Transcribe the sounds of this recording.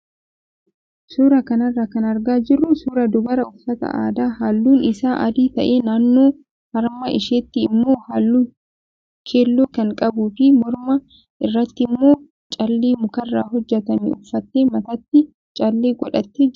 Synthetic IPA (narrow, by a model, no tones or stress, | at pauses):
suːɾɐkɐnɐrːakɐnɐɾɡaːd͡ʒɪrːʊsuːɾɐd̪ʊbɐɾɐʊfɐt̪ɐ̰ʔa̰ːd̪aːhaːlːuːnɪsaːʔɐd̪iːt̪ɐʔeːnaːnːo̞ː | hɐɾmɐʔɪʃeːt̪ːɪːmːo̞ːhaːlːuː | kʰeːlːoːkɐŋkʼɐbuːfɪmɔɾmɐ | ɪrːɐt̪ːɪmːo̞ː | t͡ʃʼɐlːeːmʊkɐrːaːɦɔd͡ʒːɛt̪ɐnḭːʊfːɐt̪ːeːmɐt̪ɐt̪ːɪ | t͡ʃʼɐlːeːɡɔᶑɐt̪ːeːd͡ʒ